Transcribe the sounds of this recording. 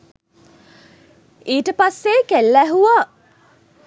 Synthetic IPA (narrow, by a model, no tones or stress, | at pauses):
iːʈəpasːekelːæɦuʋa